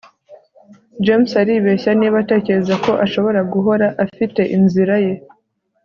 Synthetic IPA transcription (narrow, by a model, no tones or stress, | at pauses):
d͡ʒemsaɾiːβe̞çaniβate̞ːce̞ɾe̞zako̞ʔaʃo̞βo̞ɾaɡuɦo̞ɾaʔafite̞ʔinziɾaje̞